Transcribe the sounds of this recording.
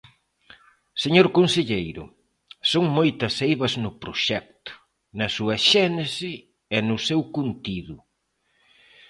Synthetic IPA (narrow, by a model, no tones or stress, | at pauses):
seɲoɾkonseʎejɾʊ̰ | soŋmojt̪ɐsejβɐznʊpɾʊʃɛk̚t̪ʊ̥ | nɐsuɐʃɛnesɪ | ɛnʊsewkunt̪iðʊ